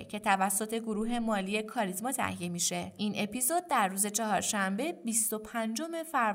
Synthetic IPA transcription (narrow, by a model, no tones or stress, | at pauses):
cʰe̞t̪ʰævæsːo̞t̪ʰe̞ɡoɾuːɦe̞mɒːlije̞kʰɒːɾizmɒːt̪ʰæ̰hije̞miːʃe̞iːnʔe̞pizod̪̚d̪æɾːuːze̞t͡ʃʰɒɦɒːɾʃæmbe̞bist̪o̞pʰænd͡ʒome̞fæɾ